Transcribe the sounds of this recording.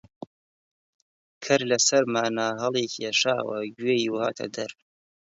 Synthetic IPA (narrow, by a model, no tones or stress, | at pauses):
kʰɐɾlɐsɐɾmaːnaːɦɐlˠeːkieʃaːwɐ̰ɡɥeːjiha̰ːt̪ʰɐ̰d̪ɐɾ